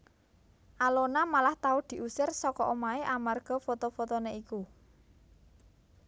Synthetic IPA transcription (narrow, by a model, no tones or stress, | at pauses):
ʔalonamalaht̪aʊd̪̥i̤ʔusɪrsɔkɔʔomaeʔamarɡ̥ɔ̤fot̪ofot̪oneiku